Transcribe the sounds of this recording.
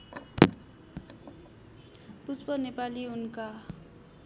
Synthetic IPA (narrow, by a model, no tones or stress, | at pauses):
puspʌnepaliunka